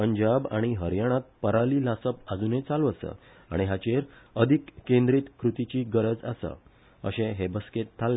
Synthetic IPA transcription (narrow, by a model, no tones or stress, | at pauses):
əɲd͡ʑabaɽ̃iɦəɾjaɽ̃ãt̪̚pəɾaliːlasəpad͡zunet͡saluəsə̰ | a̰ɽ̃iɦat͡ɕeɾəd̪ʱikːẽnd̪ɾiːt̪kɾut̪it͡ɕiːɡəɾəd͡za̰sə̰ | ə̰ɕẽɦebəsket̪ʰːalː